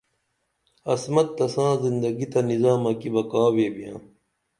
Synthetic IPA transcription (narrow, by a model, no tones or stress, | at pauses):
ɐsmɐt̪̚ːɐsãːzind̪ɐɡit̪ɐnizãːmɐkibɐkãːweːbijãː